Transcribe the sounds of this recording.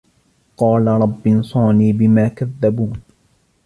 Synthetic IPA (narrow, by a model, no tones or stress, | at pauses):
qɑːlaɾˤɑbːɪnsˤɑːniːbɪmaːkaðːabuːn